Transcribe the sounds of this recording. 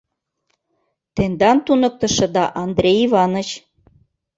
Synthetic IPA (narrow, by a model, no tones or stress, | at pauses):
t̪end̪ɑnt̪unɤ̆k̚t̪ɤ̆ʃɤ̆d̪ɑʔɑnd̪ɾʲejivɑnə̆t͡ɕ